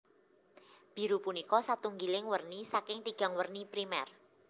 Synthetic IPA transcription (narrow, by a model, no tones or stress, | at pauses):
b̥i̤ɾupunikɔsat̪uŋɡilɪŋwərnisakɪŋt̪iɡ̥a̤ŋwərnipɾimɛ̰r